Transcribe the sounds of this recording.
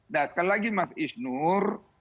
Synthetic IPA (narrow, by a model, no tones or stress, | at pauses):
dakəlaɡimasisnur